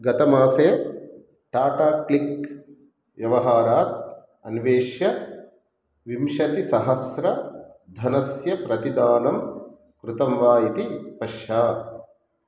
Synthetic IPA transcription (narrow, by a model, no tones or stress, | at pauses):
ɡɐt̪ɐmaːsɐjɐ | ʈaːʈaːklik | ʋjɐʋɐɦaːɾaːt̪̚ | ɐnʋeːʃjɐ | ʋimʃɐt̪isɐɦɐsɾɐd̪ʱɐnɐsjɐpɾɐt̪id̪aːnɐm | kɾut̪ɐmʋaːjit̪ipɐʃjaː